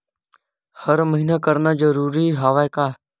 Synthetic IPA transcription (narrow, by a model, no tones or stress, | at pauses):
həɾməɦiːnaːkəɾnaːd͡ʒəɾuːɾiːɦaːʋaːjkaː